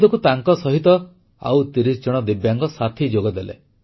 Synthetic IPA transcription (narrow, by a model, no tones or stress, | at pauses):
d̪ɔkut̪aŋkɔsɔɦit̪ɔ | a̰wt̪iɾisd͡ʒɔɽ̃ɔd̪ibjaŋkɔsat̪ʰid͡ʒoɡɔd̪elḛ